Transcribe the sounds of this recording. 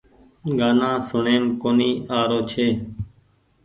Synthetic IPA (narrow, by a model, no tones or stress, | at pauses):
ɡaːnãːsʊɳeːmkoːniːaːɾoːt͡ʃʰeː